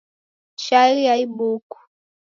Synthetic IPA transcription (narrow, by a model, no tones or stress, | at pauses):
ʃalijaibuku̥